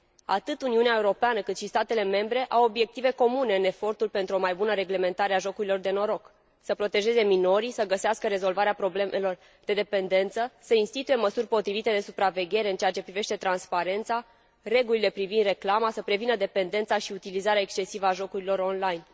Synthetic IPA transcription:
a̰t̪ɨt̪uniuneaeuɾo̞peanəkɨt̪ʃist̪at̪e̞le̞me̞mbɾe̞ʔawo̞bje̞k̚t̪ive̞ko̞mune̞ɨne̞fo̞rt̪ulpe̞nt̪ɾuo̞majbunəɾe̞ɡle̞me̞nt̪aɾeaʒo̞kuɾilo̞rd̪e̞no̞ɾo̞k | səpɾo̞t̪e̞ʒe̞ze̞mino̞ɾisəɡəseaskəɾe̞zo̞lvaɾeapɾo̞blemelo̞r | d̪e̞d̪epe̞nd̪e̞nt̪səsəinst̪it̪uje̞məsurʲpo̞t̪ɾivit̪e̞d̪e̞supɾave̞ɡʲe̞ɾe̞ɨnt͡ʃeat͡ʃe̞pɾiveʃt̪e̞t̪ɾanspaɾe̞nt̪sa | re̞ɡulile̞pɾivind̪re̞klamasəpɾe̞vinəd̪e̞pe̞nd̪e̞nt̪saʃiut̪ilizaɾeaekst͡ʃe̞sivəaʒo̞kuɾilo̞ɾo̞nlajn

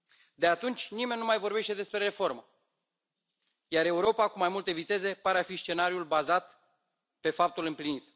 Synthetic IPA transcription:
d̪e̞at̪unt͡ʃʲnime̞nʲnumajvo̞ɾrbe̞ʃt̪e̞d̪e̞spɾe̞ɾe̞fo̞rmə | jaɾe̞uɾo̞pakumajmult̪e̞vit̪e̞ze̞paɾeafist͡ʃe̞naɾiulbazat̪ | pe̞fap̚t̪ulɨmplinit̪

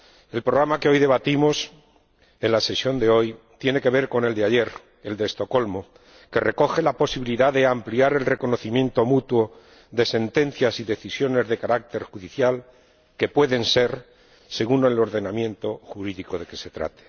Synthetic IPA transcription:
e̞lpɾoɣ̞ɾamakeo̞jðe̞β̞at̪imo̞s | e̞nlase̞sjo̞nd̪e̞o̞j | t̪je̞ne̞ke̞β̞e̞ɾko̞ne̞ld̪eaʝe̞ɾ | e̞ld̪e̞st̪o̞ko̞lmo̞ | ke̞re̞ko̞xe̞lapo̞siβiliðaðe̞ampliaɾe̞lreko̞no̞θimjẽ̞nt̪o̞mut̪wo | ðe̞se̞nt̪e̞nθjasiðe̞θisjo̞ne̞zðe̞kaɾak̚t̪e̞ɾxuðiθjal | ke̞pwe̞ðe̞nse̞ɾ | se̞ɣunoelo̞ɾðe̞namjẽ̞nt̪o̞xuɾiðiko̞ðe̞ke̞se̞t̪ɾa̰t̪e̥

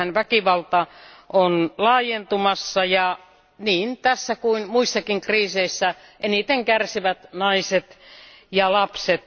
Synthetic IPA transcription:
ænʋækiʋɑlt̪ɑ | ʔonlɑːjent̪umɑsːɑjɑ | niːnt̪æsːækuinmuisːɑkiŋkriːseisːæʔenit̪eŋkærsiʋæt̪nɑiset̪ | jɑlɑpset̪

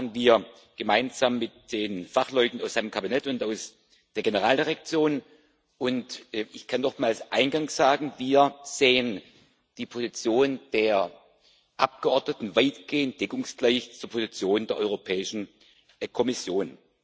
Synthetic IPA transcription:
ənviːɐ | ɡ̥əmaɪnzamːɪtd̥eːnfaχlɔʏtn̩aʊsaɪnəmkʰabinɛtʊntaʊs | d̥eːɐɡenəʁaːldiʁɛk̚t͡sjoːn | ʔʊntːʔɪçkʰanːɔχmaːlsʔaɪnɡaŋsz̥aːɡŋ̩viːɐz̥eːən | d̥iːpʰozit͡sjoːnd̥eːɐ | ʔap̚ɡ̥əɔɐdnətn̩vaɪtɡ̥eːənt̚d̥ɛkʊŋsɡ̥laɪçt͡suːɐpʰozit͡sjoːndeːɐʔɔ̰ʏʁopʰɛːɪʃn̩ | kʰɔmɪsjoːn

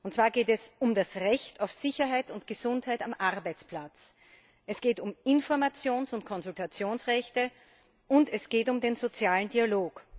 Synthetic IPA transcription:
ʔʊntt͡sːv̥aːɐɡeːtɛsʊmdasʁɛçtaʊfz̥ɪçɐɦaɪtʊntɡ̥əzʊnthaɪtamʔaʁbæɪt͡splat͡s | ʔɛsɡ̥eːtʊmɪnfɔɐmat͡sjoːnsʊntkʰɔnzʊltʰat͡sjoːnsʁɛçtə | ʔʊntɛsɡ̥eːtʊmdenzot͡sjaːlən̩diːaloːk

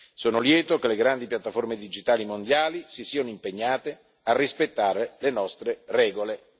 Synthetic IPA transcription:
soːnoljɛːt̪okeleɡɾand̪ipjat̪ːaformed̪id͡ʒit̪aːlimond̪jaːlisisiːanoimpeɲːaːt̪e | arːispet̪ːaːɾelenɔst̪ɾerɛːɡole

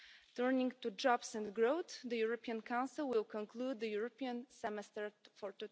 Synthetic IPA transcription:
t̪ɜɹnɪ̃ŋtud͡ʒɔbsɛ̃ndɡɹoʊθðəjuɹɔpiãnkʰãw̃nsɪlˠwɪlˠkɔ̃nkʰlud̪̚ðəjuɹɔpiãnsɛmɛstəɹfɔɹt̪u

